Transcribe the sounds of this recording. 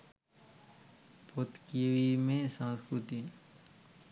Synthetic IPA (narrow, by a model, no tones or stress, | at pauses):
pot̪kʋimẽsə̃nskɾut̪i